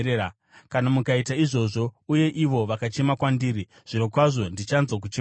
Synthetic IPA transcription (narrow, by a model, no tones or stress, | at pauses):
e | kanamukaitaiʐo̞ʐo̞uje̞ʔiʋo̞ʋakat͡ʃe̞makwandiːɾi | ʐ̥ino̞kwaʐo̞ndit͡ʃanzok̬ut͡ʃ